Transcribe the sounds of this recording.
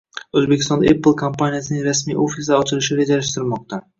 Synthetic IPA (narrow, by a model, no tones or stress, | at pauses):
ɵzbekʲɪst̪ɒnd̪aepːɪlˠkʰompanijasɪnɪŋɾasmijʔofisaɒt͡ʃʰɪlɪʃɪɾed͡ʒalaʃt̪ɪɾmɒq̚t̪a